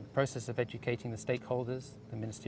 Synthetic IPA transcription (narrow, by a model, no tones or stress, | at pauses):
pʰɹ̥əʊsɛsəvɛd͡ʒɨkʰeɪɾɪ̃ŋðɨsteɪkhoʊlˠdəz | ðəmɪ̃nɪstɪ